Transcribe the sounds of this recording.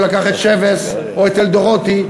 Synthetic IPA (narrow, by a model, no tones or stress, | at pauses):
lakaχet̪ʃeves | oet̪eld̪oʁot̪i